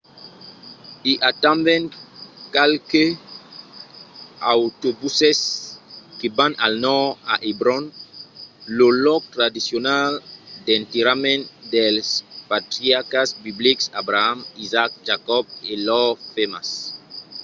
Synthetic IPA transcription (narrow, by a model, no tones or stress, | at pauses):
iʔat̪ãmbɛ̃nkalke | awt̪obuses | kebãnalnɔa̰ʔibɾɔn | lolɔk̚t̪ɾad̪isjonald̪ent̪eɾamẽnd̪elspat̪ɾiakasbibliksabɾaamizak̚d͡ʒakɔb̚elɔfemas